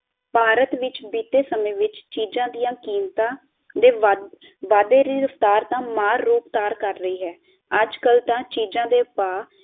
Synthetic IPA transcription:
paːɾət̪ʋɪt͡ʃbiːt̪eːsəmẽːʋɪt͡ʃt͡ʃiːd͡ʒãːd̪ijãːkiːmt̪ãː | d̪eːʋ | ʋaːd̪eːɾiɾəft̪aːɾt̪ãːmaːɾːuːpt̪aːɾkəɾːəiːɦɛː | əd͡ʒkəlt̪ãːt͡ʃiːd͡ʒãːd̪eːpaː

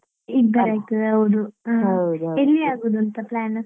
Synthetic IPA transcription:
iːɡbɐɾaːɡ̚t̪ɐd̪eɐʋd̪uad̪elːiaːɡoːd̪uɐnt̪ɐplaːnɐ

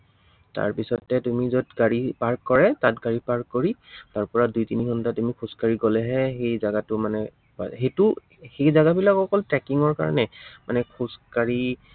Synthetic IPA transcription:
ta̰ɹpisɔtːɛtumizɔtɡaɹipaɹkːɔɹɛtat̚ɡaɹipaɹkkoɹitaɹpɔɹadujtinikʰɔntatumikʰuskaɹiɡɔlɛɦɛxejzaɡatʊmanɛ | pa̰xetʊ | xejzaɡabilakɔkɔltɹɛkiŋɔɹka̰ɹɔ̰nɛmanɛkʰuskaɹi

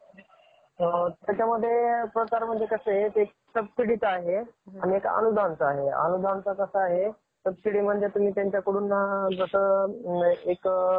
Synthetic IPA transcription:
t̪jat͡ɕaməd̪ʱːjepɾəkaɾm̤əɳd͡zekəseet̪ːk̚ | səb̚siɽit̪aɦeaɽ̃iekə̰nud̪ʱant͡sːɦeə̰nud̪ʱant͡sakəsaːɦe | səb̚siɽiːm̤əɳd͡zet̪um̤iːt̪jaɲt͡ɕjakuɽuːnːad̪ɾəʂə | ek

